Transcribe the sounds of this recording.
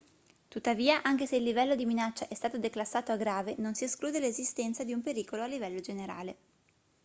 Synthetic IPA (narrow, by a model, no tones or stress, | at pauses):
t̪ut̪ːaviːaʔaŋk̟eseilːivɛlːod̪iminat͡ʃːaʔɛst̪aːt̪od̪eklasːaːt̪oaɡɾaːvenonsieskluːd̪elezist̪ɛnt̪sad̪iumpeɾiːkoloalːivɛlːod͡ʒeneɾa̰ːle